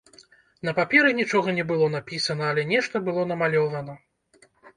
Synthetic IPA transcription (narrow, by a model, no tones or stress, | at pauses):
n̪ɐpapʲɛɾɨnʲit͡ʂɔɣɐnʲɛbɨlˠɔnapʲisɐnɐːlʲɛnʲɛʂt̪ɐbɨlˠɔnɐmalʲɔvɐnɐ